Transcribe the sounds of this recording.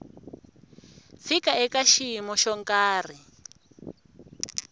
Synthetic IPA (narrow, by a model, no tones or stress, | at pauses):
fikaɛkaʃimɔʃɔŋkʼaːri